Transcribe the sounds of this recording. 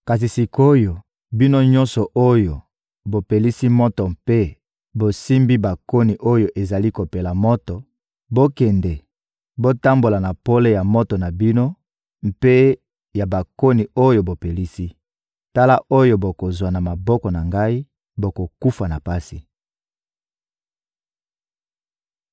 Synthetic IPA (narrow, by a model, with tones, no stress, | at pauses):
ka˨s̬i˨si˨ko˦jo˨ | bi˦no˦ɲɔ̃˦nsɔ˨ʔo˦jo˨ | bo˨pe˨li˦si˦mɔ˦tɔ˨mpe˦ | bo˨si˦mbi˦ba˨ko˦ni˨ʔo˦jo˨ʔe˨za˨li˦ko˨pe˨la˨mɔ˦tɔ˨ | bo˦kɛ˨ndɛ˨ | bo˦ta˦mbo˨la˨na˨po˦le˦ja˨mɔ˦tɔ˨na˨bi˦no˦ | m̩˦pe˦ | ja˨ba˨ko˦ni˨o˦jo˨bo˨pe˨li˦si˦ | ta˦la˦ʔo˦jo˦bo˨ko˨zwa˨na˨ma˨bɔ˦kɔ˨na˨ŋɡa˦i˦ | bo˨ko˨ku˦fa˨na˨pa˦si˨